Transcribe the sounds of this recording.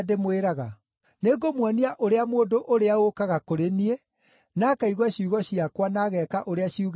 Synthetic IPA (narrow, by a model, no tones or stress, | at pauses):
demoeɾaɣa | neɡomwaniaʔoɾeamoːndoʔoɾeaokaɣakoɾenie | naːkaiɣwaɕiuɣɔɕiakwanaɣɛːkaʔoɾeaɕiuɣ